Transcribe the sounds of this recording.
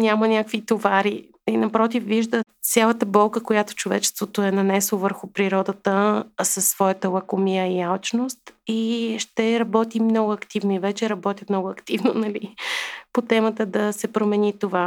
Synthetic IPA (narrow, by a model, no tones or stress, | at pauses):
nʲamənʲakvit̪ovaɾi | inɐpɾɔt̪̬ifviʒd̪ə | sʲjalˠət̪əbɔlˠkəkojat̪o̥t͡ʃovɛt͡ʃɛ̥st̪vot̪oɛnɐnɛslˠovəɾxʊpɾiɾɔd̪ət̪əsəsːvɔjət̪əlˠɐkomijəialt͡ʃnost̪iʃt̪ɛɾɐbɔt̪imnɔɡʊɐkt̪ivnoivɛt͡ʃɛɾɐbɔt̪ʲjət̪mnɔɡʊɐkt̪ivno̰nɐlipot̪ɛmət̪əd̪ɐsɛpɾomɛnit̪ova